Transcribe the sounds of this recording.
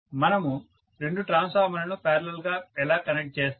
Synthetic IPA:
mɐnɐmu | ɾeɳɖuʈɾaːnsaːmɐnɐnupɛːɾɐlɐlɡaːɛlaːkɐnek̚ʈ̚t͡ʃeːst̪

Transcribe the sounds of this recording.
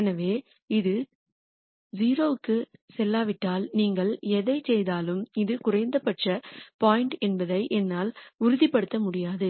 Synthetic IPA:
ɛnɐʋeː | ɪðɯ | ziːɾoːɯkːɯsɛlːaːʋɪʈːaːlniːŋɡɐɭɛðɐɪt͡ʃːɛjðaːlɯmɪðɯkʊrɐɪnd̪ɐpːɐʈrɐpaːjɪɳʈɛnbɐðɐɪʔɛnːaːlʊɾʊðipːɐɽɯt̪ːɐmʊɽɪjaːðɯ

